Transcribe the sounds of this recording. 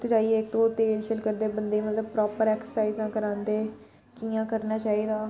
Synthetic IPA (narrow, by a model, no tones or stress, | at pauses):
t̪d͡ʒaːiːeːk̚t̪õːt̪eːd͡ʒʃəlkəɾd̪eːbənd̪eːimət̪ləb̚pɾɔːpəɾɛːksə̥saːizãːkəɾãːnd̪eː | kiːãːkəɾnaːt͡ʃaːiːd̪aː